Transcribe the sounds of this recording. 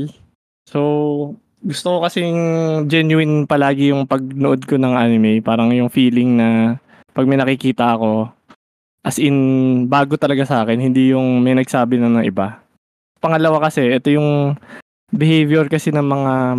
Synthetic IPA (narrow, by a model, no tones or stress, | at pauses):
sow | ɡʊst̪okokɐsɛjŋd͡ʒɛnjʊɪnpɐlaːɡɪjʊŋpɐɡ̚noʔod̪̚konɐŋʔanɪmɛjpaːɾɐŋjʊŋfiːlɪŋnɐ | pɐɡ̚mɐjnɐkɪkiːt̪ɐʔɐko̞ | ʔɐsʔɪnbaːɡot̪ɐlɐɡasɐaːkɛnhɪnd̪ijʊŋmɐjnɐɡsaːbɪnɐnɐŋʔɪ̰ba | pɐŋɐlɐwakɐsɛʔɛt̪o̞jʊŋ | bɪhejvjɛɹkɐsɛnɐmɐŋa